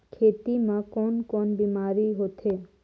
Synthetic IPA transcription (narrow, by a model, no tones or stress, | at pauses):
kʰet̪imãkɔnkɔnbimaɾiɦot̪ʰe